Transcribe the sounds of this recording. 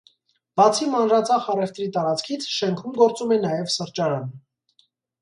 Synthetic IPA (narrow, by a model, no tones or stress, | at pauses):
b̥ɑt͡sʰimɑnɾɑt͡sʰɑχɑrɛft̪ɾit̪ɑɾɑt͡skʰit͡sʰʃɛŋkʰumɡɔɾt͡sumɛnɑjɛvsəɾt͡ʃɑɾɑn